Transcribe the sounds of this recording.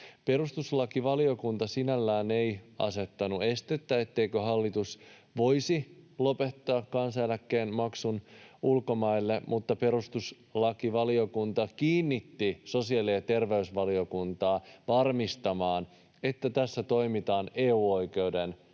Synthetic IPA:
pe̞rust̪uslɑkiʋɑlio̞kunt̪ɑsinælːæːne̞iɑ̰se̞t̪ːɑnue̞st̪et̪ːæe̞t̪ːe̞ikøɦɑlːit̪us | ʋo̞isilo̞pet̪ːɑːkkːɑnsɑjælækːeːnmɑksunulko̞mɑilːemʔut̪ːɑpe̞ɾust̪us | lɑkiʋɑlio̞kunt̪ɑkiːnːit̪ːiso̞siɑliet̪e̞rʋeysʋɑlio̞kunt̪ɑːʋɑrmist̪ɑmɑːn | e̞t̪ːæt̪æsːæt̪o̞imit̪ɑːneːuːo̞ike̞wden

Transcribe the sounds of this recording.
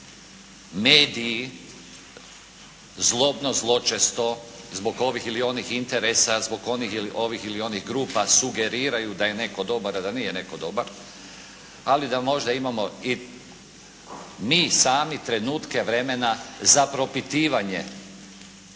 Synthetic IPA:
meːd̪ii | zlˠo̞bno̞zlˠo̞t͡ʃest̪o̞zbo̞ɡo̞ʋixilio̞nixint̪e̞ɾesazbo̞ɡo̞nixiliʔo̞ʋixilio̞niɣɡɾuːpasuɡe̞ɾiːɾajud̪aje̞ne̞ko̞d̪o̞baɾad̪anijene̞ko̞d̪o̞baɾ | alid̪amo̞ʒd̪aimamo̞i | miːsaːmit̪ɾe̞nuːt̪ke̞ʋɾe̞me̞nazapɾo̞pit̪iːʋaɲḛ

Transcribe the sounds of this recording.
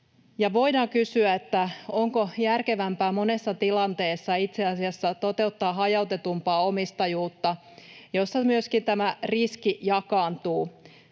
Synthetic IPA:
jɑʋo̞jdɑːŋkysyæet̪ːæo̞ŋkojærke̞ʋæmpæːmo̞ne̞sːɑt̪ilɑnt̪e̞ːsːɑit̪seɑsiɑsːɑt̪o̞t̪e̞ut̪ːɑːɦɑjɑut̪e̞t̪umpɑːo̞mist̪ɑjuːt̪ːɑ | jo̞sːɑmyøskint̪æmæriskijɑkɑːnt̪uː

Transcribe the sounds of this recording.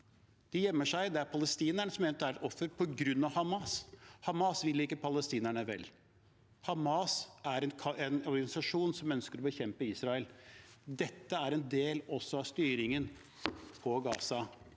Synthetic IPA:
d̪̥ɪjɛmːəʂæɪd̪ɛæɾpʰɑləst̪iːnæɳəsɔmeːnət̪æɾɛt̪ɔfːəɾpʰɔɡɾʉnːɑʋhɑmɑshɑmɑsʋɪlːəɪkːəpʰɑləst̪iːnæɳəʋɛ̰l | hɑmɑsæɾɛnʰɛnɔɾɡɑnɪsɑʂuːnsɔmœnskəɾɔbəçɛmpəiːsɾɑəld̪ɛt̪ːəæɾɛnd̪eːlɔsːɔɑʋst̪yːɾɪŋən | pʰɔɡɑ̰ːsɑ

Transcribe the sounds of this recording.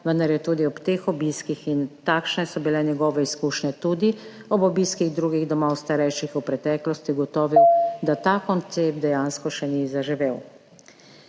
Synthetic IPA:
ʋənd̪aɾjɛt̪uːd̪iɔpt̪eːxɔbiskixint̪aːkʃnɛsɔbilɛnjɛɡɔːʋɛiskuːʃnɛt̪uːd̪i | ɔbɔbiskiɣd̪ɾuːɡiɣd̪ɔmawst̪aɾɛjʃixupɾɛt̪ɛːklɔst̪iɡɔt̪ɔːʋiwd̪at̪aːkɔnt̪sep̚t̪d̪ɛjaːnskɔʃɛnizaʒiʋeːw

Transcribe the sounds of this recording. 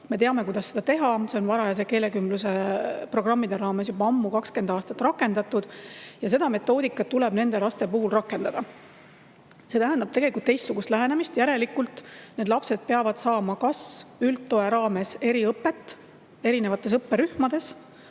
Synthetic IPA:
me̞t̪eɑme̞kujd̪ɑsːe̞d̪̥ɑt̪e̞ɦɑse̞o̞nvɑɾɑjɑs̬e̞keːle̞kymbluse̞pro̞ɡ̥rɑmːid̪̥e̞ɾɑːme̞s̬jubɑɑmːukɑkske̞nd̪ɑːst̪ɑt̪ːˑrɑkːˑe̞nd̪̥ɑt̪ːˑud̪̥jɑs̬e̞d̪̥ɑme̞t̪ːˑo̞ːd̪ikːˑɑt̪ːule̞bne̞nd̪e̞lɑst̪e̞puɦulrɑkːˑe̞nd̪ɑd̪ɑ | se̞t̪æɦænd̪ɑb̥̚t̪e̞ɡ̥elikult̪ːejst̪suɡ̥ust̪læɦenemist̪jæɾe̞likːult̪ːˑne̞d̪lɑpse̞d̪̥̚pe̞ɑvɑd̪̥sɑːmɑkɑsylt̪ːo̞e̞ɾɑːme̞se̞ɾiɤpːˑe̞t̪ːˑ | e̞ɾine̞vɑt̪ˑːe̞sɤpːeɾyhmɑd̪e̞s

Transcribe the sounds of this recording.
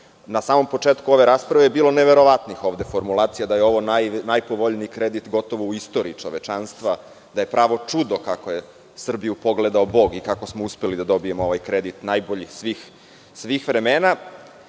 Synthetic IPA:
nasaːmo̞mpo̞t͡ʂeːt̪kuo̞ʋe̞ɾaːspɾaʋejebiːlˠo̞neʋe̞ɾoʋat̪nixo̞ːʋd̪e̞fo̞ɾmulˠaːt̪sijad̪ajeo̞ʋo̞nanajpoʋoʎnikɾed̪it̪ɡo̞t̪o̞ʋouist̪o̞ɾiːt͡ʂo̞ʋet͡ʃanst̪ʋa | d̪aje̞pɾaːʋo̞t͡ʂud̪okakoje̞ | sr̩bijupo̞ɡled̪aobo̞ɡikako̞smouspelid̪ad̪o̞bije̞mooʋajkɾed̪it̪najbo̞ʎisʋix | sʋiːxʋɾe̞meːna

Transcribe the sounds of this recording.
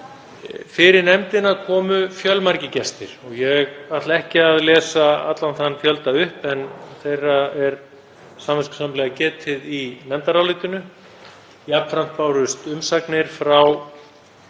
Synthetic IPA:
fɪɾɪɾnɛmt̪ɪnakʰɔːmʏfjœlmaɾcɪcɛst̪ɪ̰ɾ̥ɔɣjɛɣat̪laɛhcɪaðlɛːsaat̪lanθanfjœlt̪aʏhpɛnθejrːaɛɾ | samvɛskʏ̥samlɛɣacɛːt̪ʰɪðinɛmt̪aɾawlɪt̪ʏnʏ | japnfɾam̥t̪̚paːwɾʏst̪ʏmsaknɪɾ̥fɾaw

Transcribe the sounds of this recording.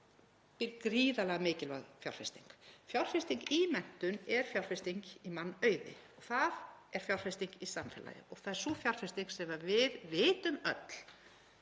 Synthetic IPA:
pɪɾkɾiːðalɛɣamɪːcɪlvɛ̰ɣfja̰wr̥fast̪iŋkfjawr̥fɪst̪iŋkiːmɛn̥t̪ʏnɛɾ̥fjawɾ̥r̥fɪst̪iŋkimanːœːɥðɪ̰ɔɣθaðɛɾ̥fjawr̥fɪst̪iŋkisamfɪla̰jɪ̰ɔɣθaðɛɾ̥sufjawɾ̥r̥fɪst̪iŋksɛmavɪðvɪːt̪ʏmœt̪l̥

